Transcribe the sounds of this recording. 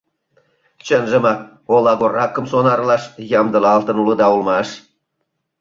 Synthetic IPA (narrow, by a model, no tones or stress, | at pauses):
t͡ɕə̆nʒə̆mɑk | olˠɑɡorɑkːə̆msonɑrlɑʃjɑmd̪ɤ̆lɑlt̪ɤ̆nulɤ̆d̪ɑulˠmɑʃ